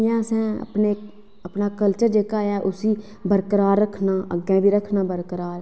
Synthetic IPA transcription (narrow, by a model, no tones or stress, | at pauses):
jãːsɛ̃ːə̰pneː | əpnaːkəlt͡ʃəɾd͡ʒeːkaːjaːʔʊsiː | bəɾkəɾaːɾːəkʰnaːə̰ɡɛ̃ːbiːɾəkʰnaːbəɾkəɾaːɾ